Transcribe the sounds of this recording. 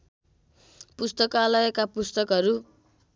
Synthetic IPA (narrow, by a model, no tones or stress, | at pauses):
pust̪ʌkalʌjekapust̪ʌkɦʌɾu